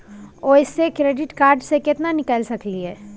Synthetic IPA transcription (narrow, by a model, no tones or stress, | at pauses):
ɔːɪsːekɾeːɖɪʈkaːɾɖsekɪt̪nanɪkəlsɐkliɦɛː